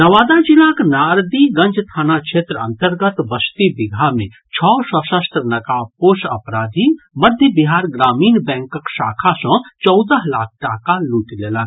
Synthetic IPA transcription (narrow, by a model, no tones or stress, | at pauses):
nɐʋaːd̪ad͡ʒɪlãːknaːɾd̪iɡɐ̃nd͡ʒʱt̪ʰaːnakʃʰeːt̪ɾɐ̰̃nt̪əɾɡət̪bəst̪ibɪɡʱamẽ | t͡ʃʰɔːsəsəst̪ɾənɐkapoːʃɐ̰pɾaːd̪ʱi | mɐd̪ʱjəbiɦaːɾɡɾaːmiːnbɛ̃ːŋkəkʃaːkʰasɔ̃t͡ʃɔwd̪əɦla̰ːk̚ʰʈaːkaluːʈleːlã